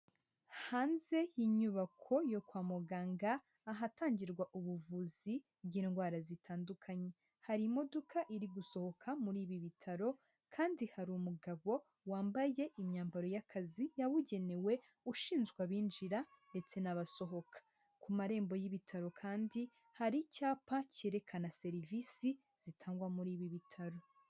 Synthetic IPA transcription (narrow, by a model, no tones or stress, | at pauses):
haːnze̞jiɲuβakʰo̞jo̞kwaːmuɡaːŋɡaː | ɦataːɲɟiɾɡwaʔuβuvuzi | bjiːnɡwaːɾazitʰaːndukʰaɲe̞ | haɾimo̞dokaʔiɾiɡuso̞ho̞kʰamuɾiːβiβitʰaɾo̞ | kʰaːndihaɾumuɡaβo̞ | waːmbaje̞ʔimɲaːmbaɾo̞jakʰazijaβuɟe̞ne̞we̞ | uʃiːnzɡwaβiːnd͡ʒiɾande̞t͡se̞naβaso̞ɦo̞kʰḁ | kumaɾe̞ːmbo̞jiβitʰaɾo̞kʰaːndi | haɾicaːpace̞ɾe̞kʰanase̞ɾivisi | z̥itʰaːŋɡwamuɾiːβiβitʰaɾo̞